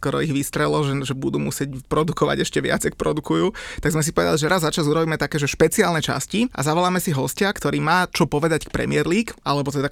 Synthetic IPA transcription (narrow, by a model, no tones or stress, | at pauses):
skɔɾɔiɣʋist̪ɾɛlɔʒɛʒɛbud̪uːmusɪɛcpɾɔd̪ukɔʋa̰ɟɛʃcɛʋɪa̰d͡zak̚pɾɔd̪ukujuːt̪aɡzmɛs̬ipɔʋɛd̪a̰liʒɛɾazːat͡ʃazuɾɔbiːmɛt̪akɛːʒɛʃpɛt͡siaːlnɛt͡ʃa̰sciʔa̰zaʋɔlaːmɛsiɦɔscakt̪ɔɾiːmaːt͡ʃɔpɔʋɛd̪ackpɾɛ̰mɪɛɾliːkʔalɛbɔt̪ɛd̪a